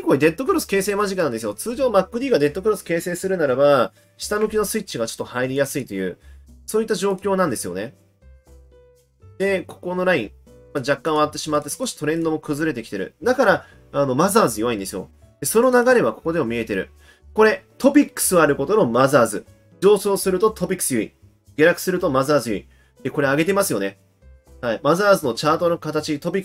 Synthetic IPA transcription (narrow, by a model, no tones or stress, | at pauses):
ikoid̪e̞t̪ːo̞kɯ̟ɾosɨ̥ke̞ːse̞ːmaʑikɯnãnd̪esɨjo̞t͡sɨːʑo̞ːnomakːɯ̟d̪ʲiːɡad̪e̞t̪ːo̞kɯ̟ɾosɨ̥ke̞ːse̞ːsɨɾɯ̟naɾaba | ɕi̥t̪amo̟kʲino̞sɨit͡ɕːiɡat͡ɕo̥t̪ːohaiɾʲijasɨit̪o̞jɯ̟̰ːsoːit̪ːaʑo̞ːkʲo̞ːnãnd̪e̞sɨjo̞̰ne̞ | d̪̥e̞ko̥ko̞no̞ɾaĩmad͡ʑakːãɰ̃at̪ːe̞ɕimat̪ːe̞sɨ̥ko̞ɕi̥t̪o̞ɾẽ̞nd̪o̞mo̞kɯ̟zɨɾe̞t̪̬e̞kʲi̥t̪e̞ɾɯ̟̰d̪akaɾa | ano̞mazaːzɨjoβaĩnd̪e̞sɨjo̞̰ | d̪̥e̞so̞no̞naɡaɾe̞βako̞̥ko̞d̪e̞momʲie̞t̪e̞ɾɯ̟ | ko̞ɾe̞t̪o̞p̬ʲikːɯ̥sɨoaɾɯ̟ko̞t̪ono̞mazaːzɨ | d͡ʑo̞ːso̞ːsɨɾɯ̟t̪o̞t̪ʰo̞pʲikːɯ̥sɨjoḭ | ɡ̥ʲe̞ɾakɯ̟̥sɨɾɯ̟t̪o̞mazaːzɨjoi | d̪̥e̞ko̞ɾe̞aɡe̞t̪e̞masɨjo̞ne̞ | haimazaːzɨno̞t͡ɕaːt̪o̞nokat̪at͡ɕit̪o̞pʲikː